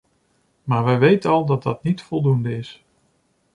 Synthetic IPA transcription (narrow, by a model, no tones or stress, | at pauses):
maːɹʋɛjʋejtənɑlˠdɑt̚dɑtnitfɔlˠdundəɪs